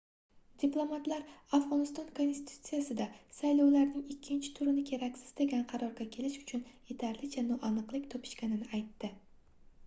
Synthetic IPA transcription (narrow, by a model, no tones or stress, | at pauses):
d̪ʲiplˠo̞mat̪laɾafʁɒnɪst̪ɒnkʰo̞nst̪ʲi̥t̪ʰu̥t̪sɨjasɪd̪asajlɒwlaɾnɪŋɪkʲʰːɪnt͡ʃʰɪ̥t̪ʰʊɾɪnɪkʲʰe̞ɾakʲsɪ̥z̥d̪aɡʲanqʰɑɾɒɾɡʲakʲʰe̞lɪʃʊ̥t͡ʃʰʊnje̞t̪ʰaɾlɪt͡ʃʰanɒʔanɨqlˠɪkʲt̪ʰɒpʰɪ̥ʃkʲanɪnɪajt̪ːɪ